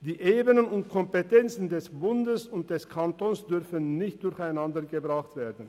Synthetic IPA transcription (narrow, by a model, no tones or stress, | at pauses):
d̥iːʔeːbənənʊntkʰɔmpetʰɛnt͡sn̩dɛsb̥ʊndəsʊnt̚d̥ɛskʰantoːnsd̥ʏʁfənːɪçt̚d̥ʊɾçaɪnandəɡəbʁaχtv̥eːɐdn̩